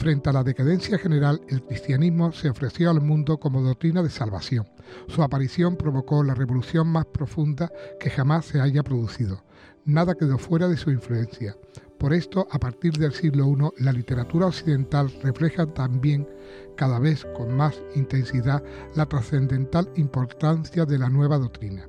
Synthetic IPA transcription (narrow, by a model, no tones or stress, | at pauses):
fɾe̞nt̪e̞alaðe̞kaðe̞n̟θjaxe̞ne̞ɾale̞lkɾist̪janizmo̞se̞o̞fɾe̞θjo̞almũnd̪o̞ko̞mo̞ð̞o̞kt̪ɾinað̞e̞salβaθjo̞ŋsuapaɾiθjo̞mpɾo̞βo̞ko̞lare̞βo̞luθjo̞ŋmaspɾo̞fũnd̪ake̞xamasːe̞aʝapɾo̞ðuθiðo̞ | naðake̞ðo̞fwe̞ɾaðe̞suiɱflue̞nθja | po̞ɾe̞st̪o̞ʔapaɾt̪iɾðe̞lsiɣlo̞unolalit̪e̞ɾat̪uɾaokθiðe̞nt̪alre̞fle̞xat̪ambje̞ŋ | kaðaβe̞θko̞ŋmasint̪ẽ̞nsiða | lat̪ɾasθe̞nd̪ẽ̞nt̪alimpo̞ɾt̪an̟θjaðe̞lanwe̞β̞aðo̞k̚t̪ɾina